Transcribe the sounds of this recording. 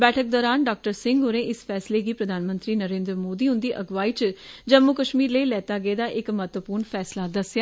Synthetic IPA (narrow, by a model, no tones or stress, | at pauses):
bɛːʈʰək̚d̪ɔːɾaːnɖaːk̚ʈəɾsɪ̃ŋɡɦoːɾẽːʔɪspʰɛːsleːɡiːpɾəd̪ʱaːnmə̃nt̪ɾiːnəɾẽːnd̪ɾəmoːd̪iːɦʊ̃nd̪iːʔəɡʋaːiːt͡ʃd͡ʒəmːukəʃmiːɾləiːlɛːt̪aːɡeːd̪aːʔɪkmət̪ʋəpʊɾɳpʰɛːslaːd̪əsɪjaː